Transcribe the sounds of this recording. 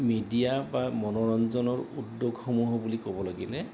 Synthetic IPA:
midijabamɔnɔɹɔnzɔnɔɹudːoɡxomuɦɔbulikobɔlaɡilɛ

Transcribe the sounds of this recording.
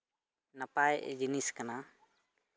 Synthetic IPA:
nəpajʔd͡ʒiniskana

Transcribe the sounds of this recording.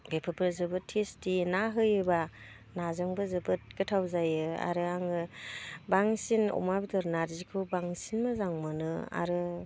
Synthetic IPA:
bepʰɯpʰɯɾzɯbɯtʰestinaɦɯjɯba | nazɯŋbɯzɯbɯt̚ɡɯtʰawzajɯa̰ɾɯaŋɯbaŋsinɔ̰mabitʰɯɾnaɾzikʰɯbaŋsinmazaŋmɯnɯa̰ɾɯ

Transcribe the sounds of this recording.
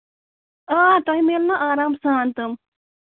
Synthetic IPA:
aːt̪oɦĩmeːlnaʔaːɾaːmsaːnt̪ɐm

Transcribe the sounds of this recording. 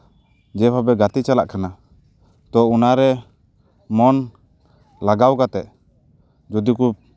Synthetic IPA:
d͡ʒɛpʰabɛɡat̪it͡ʃala̰ʔkana | t̪ɔunaɾɛ | mɔn | laɡawkat̪ɛʔ | d͡ʒɔd̪iku

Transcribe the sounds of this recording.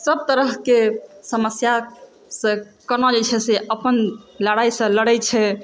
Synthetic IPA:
səb̚t̪əɾəɦkesəməsja | sə̃kənɔd͡ʒɛt͡ʃʰɛseʔəpənləɽaisə̃ləɽɛt͡ʃʰɛ

